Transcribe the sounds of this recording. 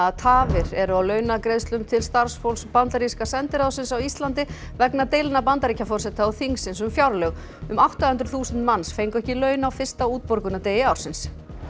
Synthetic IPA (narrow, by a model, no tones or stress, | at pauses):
at̪ʰaːvɪɾɛɾʏawlœːɥnakɾejðst̪lʏmt̪ʰɪlst̪aɾ̥sfowlspant̪aɾiskasɛnt̪ɪɾawsɪnsawist̪lant̪ɪ | vɛknat̪ejlɪnapant̪aɾicafɔr̥sɛt̪aawθiŋsɪnsʏmfjawɾlœɣ | ʏmawht̪ahʏnt̪ɾθuːsʏnt̪mansfejŋkʏɛhcɪlœːɥnawfɪ̥st̪auːt̪̚pɔɾkʏnat̪eːjɪawɾsɪns